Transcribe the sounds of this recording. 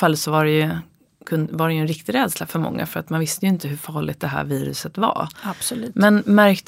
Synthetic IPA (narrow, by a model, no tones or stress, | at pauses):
falːət̪sɔvaɾɛjɵ | kʰɵnvaɖɛjɵɛnɾɪk̚t̪ɪɾɛːd̪slafœɾmɔ̰ŋːa̰fœɾat̪manvɪst̪əjɵɪnt̪əɦɵfɑːɭɪ̰ɡ̚t̪d̪ɛɦæ̰ːɾviːɾɵ̰sət̪va̰ab̥sɔʉːmɛnmæɾkt̪